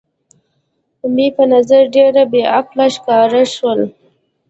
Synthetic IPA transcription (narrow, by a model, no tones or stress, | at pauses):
d̪əmipənazaɾɖeɾabeaqlaʃkɑɾaʃwəl